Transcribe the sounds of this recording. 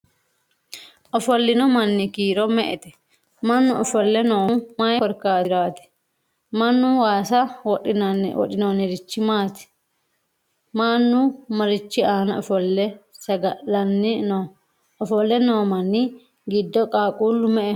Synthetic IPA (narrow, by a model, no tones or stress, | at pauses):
ʔɔfɔlːɪnɔmɐnːɪkiːɾɔmɛʔɛt̪ɛ̥ | mɐnːʊɔfɔlːɛnoːmajɔɾkaːɾaːt̪ɛ̥ | mɐnːʊwaːsɐwɔɗɪnwɔ̰ɗɪnoːnɪɾɪt͡ʃːɪmaːt̪ɛ̥ | maːnːʊmɐɾɪt͡ʃːɪaːnɐɔfɔlːɛsɐɡɐʔɐnːɪnɔ | ɔfɔlːɛnoːmɐnːɪ | ɡɪd̪ːɔkʼaːkʼuːlːʊmɛʔɛ